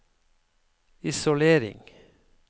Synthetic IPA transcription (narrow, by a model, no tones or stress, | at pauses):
ɪsʊleːɾɪ̰ŋ